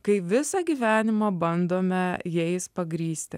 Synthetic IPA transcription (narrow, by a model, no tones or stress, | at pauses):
kɐɪʋʲɪsɑɡʲiːʋʲæːnʲɪmɑbɐnd̪oːmʲɛjɛɪspɐɡɾʲiːsʲt̪ʲɪ